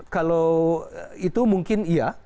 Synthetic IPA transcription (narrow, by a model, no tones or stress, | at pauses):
kalow | it̪umuŋkɪnija